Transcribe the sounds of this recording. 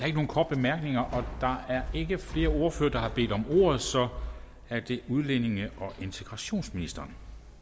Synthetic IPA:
ɑe̝ɡ̥əno̝ːn̩kʰɒːd̥̚b̥emæɐɡ̥ne̝ŋɐʔɒ̽d̥ɑ̈æɐe̝ɡ̥əfle̝ːɐo̝ːɐføːɐd̥ɑ̈hɑ̈b̥e̝̰ːd̥ɒ̽mo̝̰ːɐð̞̩ˠsɒ̽ | æɐd̥e̝uð̞ˠlene̝ŋəʔɒ̽ʔe̝nt͡sʰe̝ɡ̥ʁɑ̈ɕo̝̰ːnsminisd̥ɐn

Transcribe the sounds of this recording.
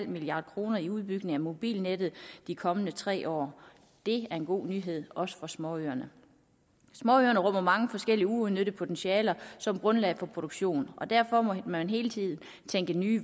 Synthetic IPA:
l̰miliɑ̈ːd̥kʰʁo̝ːnɐiuð̞ˠb̥yɡ̥ne̝ŋæmo̝b̥ḭːlned̥ð̩ˠd̥ikʰɒ̽mənət͡sʰʁɛ̰ːʔɒ̰ː | d̥e̝æɐe̝nɡ̥o̝̰ːnyːɦe̝ð̞̰ˠɒ̽sə̥fɒ̽smɒ̽øɐnə | smɒøɐnəʁɔ̽m̰ɐmɑ̈ŋəfɒ̽sɡ̥el̰iəuoðˠnøɾ̥əpʰo̝t͡sʰenɕiɛːlɐsɒ̽mɡ̥ʁɔ̽nlɛɪfɒ̽pʰʁo̝ɾ̥oɡ̥ɕo̝̰ːnɒ̽d̥æɐ̰fɒ̽mmænɦe̝ːlət͡sʰið̞̰ˠn̩ | t͡sʰeŋɡ̥ənyː

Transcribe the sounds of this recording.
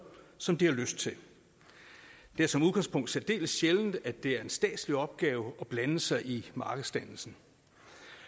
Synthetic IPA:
sɒ̽md̥ihɑ̈løsd̥t͡sʰe̝l | d̥e̝æɐsɒ̽muðˠɡ̥ɑ̈ŋspʰɔ̽ŋ̰d̥sed̥e̝̰ːləsɕeln̩d̥æd̥e̝æɐe̝nsd̥ɛ̰ːd̥sliɒ̽b̥̚ɡ̥ɛːʊɒ̽b̥lænəl̩sɑɪʔimɑ̈ːɡ̥ðˠsd̥ænl̩sn̩

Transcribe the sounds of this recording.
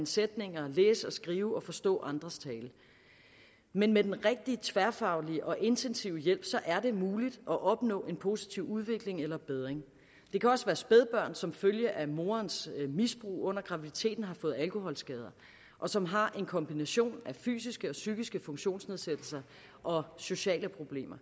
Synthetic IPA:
nsed̥ne̝ŋɐlḛːsəɒ̽sɡ̥ʁiːʊɒ̽fɒ̽sd̥ɔ̰̽ːʔɑ̈nd̥ʁɐst͡sʰɛːl | menmed̥enʁeɡ̥̚d̥it͡sʰʋæɐfɑ̈ʊliəʔɒ̽ʔe̝nt͡sʰensiʊ̰əjel̰b̥sɒ̽ʔæɐd̥e̝muːlid̥ʔɒ̽ʔɒ̽b̥nɔ̰̽ːe̝npʰo̝si̥t͡sʰiʊ̰uð̞ˠʋe̝ɡ̥le̝ŋelɐb̥eð̞ˠʁeŋ | d̥e̝kʰæɒ̽sʋæːɐsb̥eð̞ˠb̥ɶɐ̰nsɒ̽mføljəʔæmo̝ːɐnsmisb̥ʁṵːɔ̽n̰ɐɡ̥ʁɑ̈ʋid̥it͡sʰe̝̰ːd̥n̩ɦɑ̈fɔ̽ːð̩ˠælkʰo̝hɒ̽lsɡ̥ɛːð̞ˠɐ | ʔɒ̽sɒ̽mɦɑ̈ʔe̝nkʰɒ̽mb̥inæɕo̝̰ːnæfy̰ːsisɡ̥əɒ̽syɡ̥isɡ̥əfɔ̽ŋɕo̝̰ːnsne̝ð̞ˠsed̥l̩sɐ | ʔɒ̽so̝ɕɛ̰ːləpʰʁo̝b̥le̝̰ːmɐ

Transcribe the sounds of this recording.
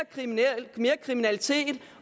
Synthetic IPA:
me̝ːɐkʰʁiminælit͡sʰe̝̰ːd̥

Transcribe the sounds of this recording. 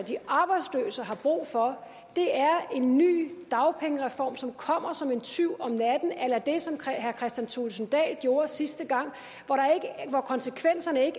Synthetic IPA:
d̥iʔɑ̈ːb̥ɑ̈ɪd̥slø̰ːsɐɦɑ̈b̥ʁṵːfɒ̽ | d̥e̝æɐe̝nːy̰ːd̥ɑ̈ʊpʰeŋəʁɛfɒ̰ːmsɒ̽mkʰɒ̽m̰ɐsɒ̽me̝nt͡sʰyʊ̰ɒ̽mnæd̥n̩elɐd̥e̝sɒ̽mɦæɐkʰʁɛsd̥jænt͡sʰolsn̩d̥ɛ̰ːlɡ̥jo̝ːɐsisd̥əɡ̥ɑ̈ŋ̰ | ʋɒɾɑ̈eɡ̥ʋɒkʰɒ̽nsəkʰʋen̰sɐnəe̝ɡ

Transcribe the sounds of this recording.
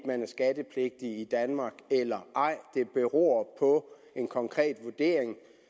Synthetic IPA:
mænæɐsɡ̥æd̥əpʰle̝ɡ̥̚d̥iid̥ænmɑ̈ːɡ̥elɐʔɑ̈ɪ̰d̥e̝b̥e̝ʁo̰ɐpʰɒ̽ | e̝nkʰɒ̽ŋkʰʁɛ̰ːd̥ʋoɐd̥e̝̰ːɐeŋ

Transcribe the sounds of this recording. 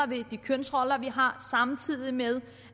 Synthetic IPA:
ɐʋe̝d̥ikʰønsʁɒ̽lɐʋiɦɑ̈sɑ̈mt͡sʰið̰ˠimeðˠ

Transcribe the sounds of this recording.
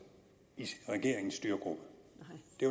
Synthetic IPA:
iʁɛɡ̥e̝̰ɐ̰eŋn̩sːd̥yːɐɡ̥ʁob̥əd̥e̝

